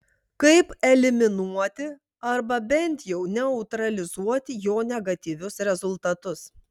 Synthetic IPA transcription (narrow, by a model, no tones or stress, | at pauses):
kɐɪpɛlʲɪmʲɪnuɔt̪ʲɪ | ɐɾbɐbʲɛnʲt̪ʲjɛʊnʲɛʊt̪ɾɐlʲɪzuɔt̪ʲɪjoːnʲɛɡɐt̪ʲiʋʲʊsɾʲɛzʊlˠt̪ɐt̪ʊs